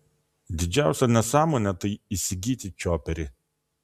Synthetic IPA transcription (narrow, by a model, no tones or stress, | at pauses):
d̪ʲɪd͡ʒʲæˑʊsʲɛnʲɛsɑːmoːnʲɛt̪ɐɪisʲɪɡʲiːt̪ʲɪt͡ʃʲoːpʲɛɾʲɪ